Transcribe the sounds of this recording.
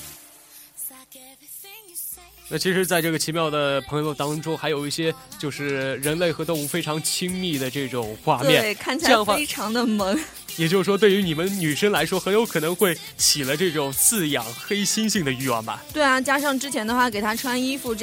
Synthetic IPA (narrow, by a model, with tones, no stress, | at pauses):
na˥˩t͡ɕʰi˧˥ʂɻ̩˧˥t͡sa˥˧ɪʈ͡ʂɤ˥˩ɡə˩t͡ɕʰi˧˥mjɑ˥˩ʊd̪ə˩pʰɤ˧˥ŋjo˧ʊt̪ɑ˥ŋʈ͡ʂʊ˥ŋxa˧˥ɪjo˨˩ʊi˥˩ɕjɛ˥t͡ɕjo˥˧ʊʂɻ̩˥˩ɻə˧˥nle˥˩ɪxɤ˧˥t̪o˥˧ʊu˥˩fe˥ɪʈ͡ʂʰɑ˧˥ŋt͡ɕʰi˥ŋmi˥˩d̪ə˩ʈ͡ʂɤ˥˩ʈ͡ʂʊ˨˩ŋxwa˥˧mjɛ˥˩n˩ɪkʰa˥˩nt͡ɕʰi˨˩˥ŋ˥e˥ɪʈ͡ʂʰɑ˧˥ŋd̪ə˧mɤ˧˥ŋ | jɛ˨˩t͡ɕjo˥˧ʊʂ̩˥˩ʂwɔ˥t̪we˥˩ɪy˧˥ni˨˩mə˦nny˨˩ʂə˥ŋla˧˥ɪʂwɔ˥xə˧˥njo˧˥ʊkʰɤ˨˩nɤ˧˥ŋxwe˥˩ɪ | t͡ɕʰi˨˩lə˧˦ʈ͡ʂɤ˥˩ʈ͡ʂʊ˨˩ŋt͡sɹ̩˥˩jɑ˨˩ŋxe˥ɪɕi˥nɕi˥˩ŋd̪ə˩y˥˧wa̰˥˩nbɐ̰˩t̪we˥˩ɪa˩t͡ɕja˥ʂɑ˥˩˧ŋʈ͡ʂɻ̩˥t͡ɕʰjɛ˧˥nd̪ə˧xwa˥˩ke˨˩ɪt̪ʰa˥ʈ͡ʂʰwa˥ni˥fu˥˩ʈ͡ʂ